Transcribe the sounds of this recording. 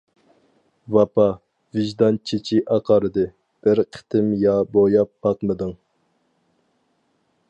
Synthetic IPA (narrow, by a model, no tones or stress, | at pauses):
vɑpɑ | vɪʒd̪ɑnt͡ʃʰit͡ʃʰiʔɑqʰɑɾɨd̪ɨ | b̥ɪɾqʰə̥t̪ʰɪmjɑbojɑpbɑqmɨd̪ɨŋ